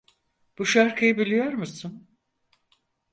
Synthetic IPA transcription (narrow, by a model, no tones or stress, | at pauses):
b̥uʃaɾkʰɯjɯbilʲijo̞ɾmusun